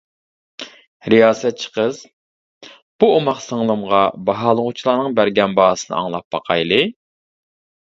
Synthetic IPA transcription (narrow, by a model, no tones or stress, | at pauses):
ɾijɑːsɛt̪̚t͡ʃʰə̥qəz̥ | b̥uomɑqsəŋlˠɨmʁɑbɑɦɑːlˠəʁʊt͡ʃʰilˠɑːnəŋbæɾɡʲɛnbɑhsɨnɨ̰ɑ̰ŋlˠɑp̚bɑqʰɑjlˠɨ